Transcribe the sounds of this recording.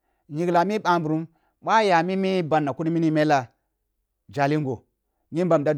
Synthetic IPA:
ɲi˨kla˨mi˦ɓa˦mbu˨ɾu˦m | ɓa˦ja˨mi˦mi˦ba˨nːa˨ku˦ni˦mi˦ni˦me˦la˨ | d͡ʒa˨li˦ŋɡo˨ | ɲi˦m˦ba˨m˨da˦

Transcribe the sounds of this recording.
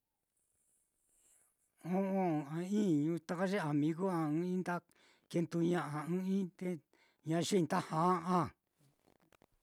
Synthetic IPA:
õ˦õ˧˨ã˨ĩ˦˨ɲũ˧t̪a˦ka˦ʐe˦a˨mĩ˧ɣu˦ã˧ɨ̃˧˦ĩ˦nd̪a˦ | ke˧nt̪u˧ɲã˦˧ʔã˧ɨ̃˦ĩ˦t̪e˦ | ɲã˧ʐi˦˧d̪a˦hã˨˦ʔã˦˨

